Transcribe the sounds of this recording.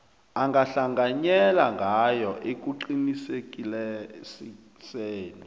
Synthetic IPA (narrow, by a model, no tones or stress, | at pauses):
aŋɡʱaɬaŋɡʱaɲɛlaŋɡʱajɔʔek̬uǃinisekʼilɛsi | seːni